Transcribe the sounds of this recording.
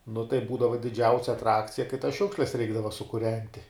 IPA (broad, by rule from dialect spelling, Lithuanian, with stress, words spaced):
nʊ tɐɪ ˈbuːdɐʋɐ dʲɪˈd͡ʒʲɛʊsʲɛ ɐtˈrɑːkt͡sʲɪjɛ kɐɪ tɐs ˈʃʲʊkʃʲlʲɛs ˈrʲɛɪɡdɐʋɐ sʊkʊˈrʲɛnʲtʲɪ